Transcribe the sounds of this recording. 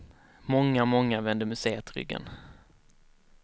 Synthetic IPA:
mɔŋːamɔŋːavɛnd̪əmɵseːət̪ɾʏ̰ɡːə̰n

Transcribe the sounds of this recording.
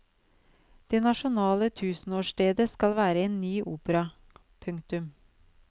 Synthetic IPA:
d̪̥eːnɑʃʊnɑːlət̪ʰʉːsn̩oːʂʈeːd̪əskɑlʋæːɾəeːnːyːʔuːpəɾɑ | pʰʉŋkt̪ʉm

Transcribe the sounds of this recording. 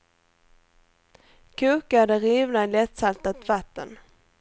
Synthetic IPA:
kʰɵkad̪əɾiːvnaɪlɛt̪salt̪at̪vat̪ːə̰n

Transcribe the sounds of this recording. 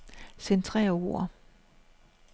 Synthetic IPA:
sent͡sʰʁɛ̰ːo̰ɐ̰

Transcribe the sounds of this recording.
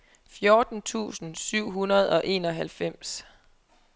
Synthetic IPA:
fjoːd̥n̩t͡sʰṵːsn̩syʊ̰ɦunɐð̞ˠɒ̽ʔe̝̰ːnɒ̽ɦælfem̰s

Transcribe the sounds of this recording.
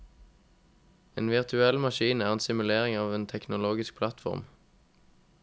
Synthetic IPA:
ḛːnʋɪʁt̪ʰʉɛlmɑʃiːnæːʁeːnsɪmʉleːʁɪŋɑːʋeːnt̪ʰɛknʊloːɡɪsk̚pʰlɑt̪fɔ̰ʁm

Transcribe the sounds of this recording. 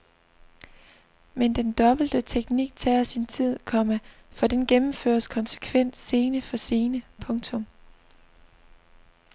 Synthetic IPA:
mend̥end̥ɒ̽b̥l̩d̥ət͡sʰeɡ̥niɡ̥̚t͡sʰɛ̰ːɐsint͡sʰið̞̰ˠkʰɒ̽məfɒ̽d̥enɡ̥emm̩fø̰ɐskʰɒ̽nsə̥kʰʋen̰sːe̝ːnəfɒ̽se̝ːnəpʰɔ̽ŋt͡sʰɔ̽m

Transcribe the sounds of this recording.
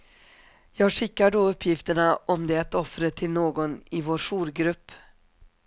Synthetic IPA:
jɑːɡʂɪkːaɖɔɵpʰːjɪft̪əɳaɔmd̪ɛat̪ɔfɾət̪ʰɪlnoːɡɔnɪvoːɾʂuːɾɡɾɵpː

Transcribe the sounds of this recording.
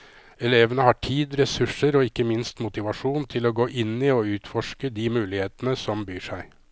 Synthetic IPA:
ɛleːʋənəhɑʈʰiːd̪ɾɛsʉʂəɾɔɪkːəmɪnst̪mʊt̪ɪʋɑʂuːnt̪ʰɪloːɡoːʔɪnːɪɔʉːt̪fɔʂkəd̪ɪmʉːlɪheːt̪ənəsɔmbyːʂæɪ

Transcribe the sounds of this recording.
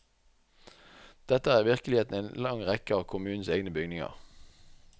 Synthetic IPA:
d̪̥ɛt̪əæːʁʋɪʁkəlɪheːt̪n̩eːnlɑŋʁɛkəɑːʋkʰʊmʉːnn̩seːɡnəbʏɡnɪŋɑ̰ʁ

